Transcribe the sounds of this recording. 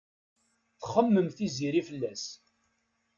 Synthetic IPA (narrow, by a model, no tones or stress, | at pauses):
θχəmːəmθiziɾifəlːæs